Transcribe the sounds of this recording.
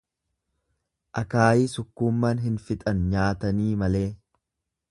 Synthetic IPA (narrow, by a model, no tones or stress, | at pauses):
ʔɐkaːjiːsʊkːuːmːaːnɦɪnfɪt̪ʼɐnɲaːt̪ɐniːmɐle̞ː